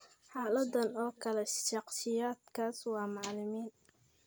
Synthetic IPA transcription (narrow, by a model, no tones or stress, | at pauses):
ħɑːlɐd̪ɐnɔːkʰɐlɛʃɑqsɪjaːd̪kʰaːswɑːmɑʕlɪmiːn